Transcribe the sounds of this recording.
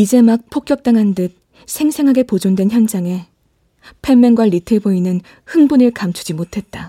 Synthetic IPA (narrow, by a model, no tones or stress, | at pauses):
id͡ʑe̞mak̚pʰok͈jʌk̚t͈aŋɦandɯk̚ | sʰe̞ŋsʰe̞ŋɦaɡe̞pod͡ʑondwe̞nçjʌnd͡ʑaŋe̞ | pʰemːenŋɡwaɾitʰeɭboinɯn | hɯŋbunɯɭkamt͡ɕʰu̥d͡ʑimotʰe̞t̚t͈a